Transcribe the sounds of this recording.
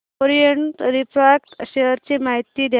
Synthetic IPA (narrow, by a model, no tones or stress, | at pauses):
oɾijəɳʈ̪ɾipakt̪ɕeəɾt͡ɕiːmaɦit̪ːiːd̪ʱja